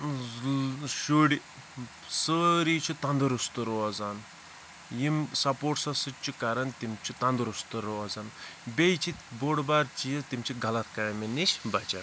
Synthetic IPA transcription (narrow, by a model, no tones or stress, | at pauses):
ʃuɽi | səɾiːt͡ʃʰut̪ɐnd̪ɨɾust̪ɨɾoɐzɐn | jimsɐpoːʈsɐsɨt͡ʃʰukɐɾɐnt̪imt͡ʃʰut̪ɐnd̪ɾust̪ɨɾoɐzɐnbejt͡ʃʰiboɽbaɾt͡ʃijɐt̪imt͡ʃʰiɡɐlɐt̪ʰkɐminit͡ʃʰbɐt͡ʃɐn